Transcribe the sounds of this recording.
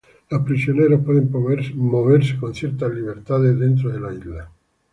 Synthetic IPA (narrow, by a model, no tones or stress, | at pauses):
lapɾisjoneɾapweðẽmmoβeɾse̥konsjɛɾt̪aliβeɾt̪aðed̪ent̪ɾoðelaizla